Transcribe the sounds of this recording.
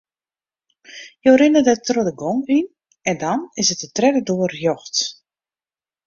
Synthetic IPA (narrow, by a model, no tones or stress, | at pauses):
joːɾɪnədətrodəɡoŋin | ɛndɔnɪsətətrɛdədoərjɔxt